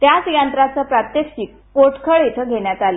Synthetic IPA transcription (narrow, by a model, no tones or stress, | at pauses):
t̪jat͡sjant̪ɾat͡səpɾat̪jekɕiːkːoʈkʰəɭit̪ʰəɡʱeɳjat̪ale